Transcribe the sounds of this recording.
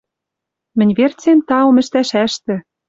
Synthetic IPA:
mɘ̆nʲβert͡semt̪ɑŏmɘ̆ʃt̪æʃæʃt̪ɘ̆

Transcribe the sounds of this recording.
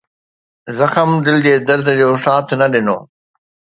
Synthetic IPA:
zɐxəmd̪ɪlɪd͡ʑeːd̪ɐɾd̪ʱd͡ʑoːsaːt̪ʰnɐɗɪno̰ː

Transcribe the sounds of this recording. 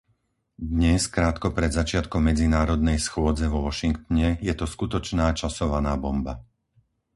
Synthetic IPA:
d̪ɲɛskɾaːt̪kɔpɾɛd̪zat͡ʃɪat̪kɔmːɛd͡zinaːɾɔd̪nɛjsxʊɔd͡zɛʋɔʋɔʃiŋkt̪ɲɛjɛt̪ɔskut̪ɔt͡ʃnaːt͡ʃasɔʋanaːbɔmba

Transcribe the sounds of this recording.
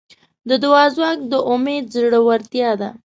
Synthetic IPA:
d̪əd̪ʊwɑzwɑk̚d̪əʔʊmed̪̚zɽəwaɾt̪jɑd̪a

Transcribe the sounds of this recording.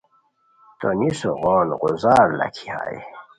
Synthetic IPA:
t̪onisoɣoːnʁuzaːɾla̰kʰiha̰ːi

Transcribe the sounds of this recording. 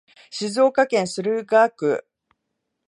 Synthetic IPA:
ɕizo̞ːkakẽ̞ɰ̃sɨɾɯ̟ɡaːkɯ̟̰

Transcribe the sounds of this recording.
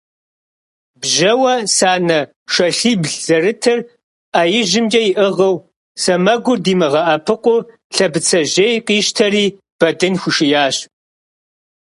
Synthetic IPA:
bʒɐwɐsaːnɐ | ʃɐɬiːbɮz̥ɐrɨtʰɨr | ʔaːjɪʒɪmd͡ʒɐjɪʔɨʁɐw | sɐmɐɡʷʊrdiːmɨʁɐʔɐpʰɨqʷʼʊ | ɬɐbɨt͡sʰɐʑejqiːʃtʰɐriː | b̥ɐdɨnxʷʊʃɪjaːɕ

